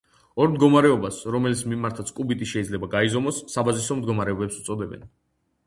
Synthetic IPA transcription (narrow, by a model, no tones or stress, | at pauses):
ɔɾmd̪ɡɔmaɾɛɔbasɾɔmɛlit̪sʰmimaɾt̪ʰat̪sʰkʼubit̪ʼiʃɛid̪zlɛbaɡaizɔmɔsːabazisɔmd̪ɡɔmaɾɛɔbɛpsu̥t̪sʼɔd̪ɛbɛ̰n